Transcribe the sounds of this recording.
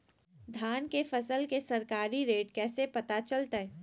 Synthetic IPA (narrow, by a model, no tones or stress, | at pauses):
d̪ʱjaːnkefɐsəlkesɐɾkaːɾiɾeːʈkɛːsepɐt̪at͡ʃɐlt̪aɦɛː